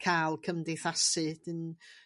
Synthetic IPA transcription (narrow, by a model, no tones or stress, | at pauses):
kʰalˠkʰəmdejθasɨd̥ən